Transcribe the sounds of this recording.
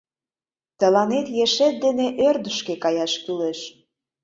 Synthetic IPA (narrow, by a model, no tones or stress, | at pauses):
t̪ə̆lɑnet̪jeʃet̪̚d̪eneʔørd̪əʃkekɑjɑʃkyleʃ